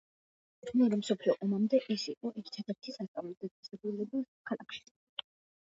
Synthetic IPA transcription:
mɛɔɾɛmsɔpʰliɔʔɔmamd̪ɛʔisiqʼɔʔɛɾt̪ʰad̪ɛɾt̪ʰisask̪ʼamɔd̪ad̪asʼɛbɾulɛbukʰala̰kʃi̥

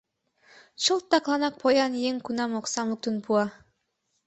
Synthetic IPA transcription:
ʃɤlˠt̪ːɑqlˠɑnɑk̚pʰojɑnjeŋkunɑmoqsɑmuk̚t̪unpuɑ

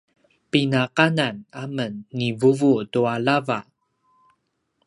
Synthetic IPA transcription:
pinaqananamənːivuvutualava

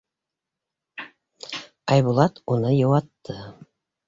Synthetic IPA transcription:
ɑjβulˠɑt̪unɤjɤwɑt̪ːɤ

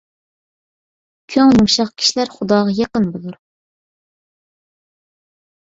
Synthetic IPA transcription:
kʲʰøŋjuŋʃɑqkʲʰi̥ʃlæɾχʊd̪ɑːʁɑjɑqənbolˠuɾ

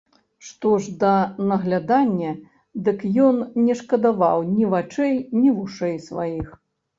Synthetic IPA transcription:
ʂt̪ɔʐd̪ɐnɐɣlʲad̪anʲːɐ | d̪ɨkjɔnnʲɛʂkɐd̪ava̰wnʲivat͡ʂɛjnʲivuʂɛjsvajix

